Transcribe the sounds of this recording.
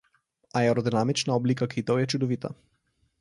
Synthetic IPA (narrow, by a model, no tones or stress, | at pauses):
aɛɾɔd̪inamit͡ʃnaɔblikakʰit̪ɔwjɛt͡ʃud̪ɔʋit̪a̰